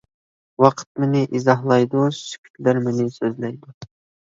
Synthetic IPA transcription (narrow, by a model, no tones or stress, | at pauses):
wɑqʰə̥t̪̚mɪnɪʔizɑɦlˠɑjd̪uʃy̥kʲʰy̥t̪læɾmɪnɪsøzlæjd̪u